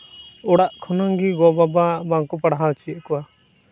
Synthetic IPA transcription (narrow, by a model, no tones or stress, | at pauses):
ɔɽaʔkʰɔnaŋɡiɡɔbababaŋkɔpaɽɦat͡ʃiɛʔkɔwa